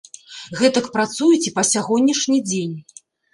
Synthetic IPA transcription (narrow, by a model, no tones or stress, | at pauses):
ɣɛt̪ɐkpɾat̪sujɛt͡sʲipɐsʲaɣɔnʲːiʂnʲid͡zʲenʲ